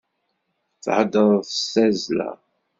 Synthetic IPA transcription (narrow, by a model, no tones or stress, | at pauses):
θħəd̪əɾˤθəsæzlæ̰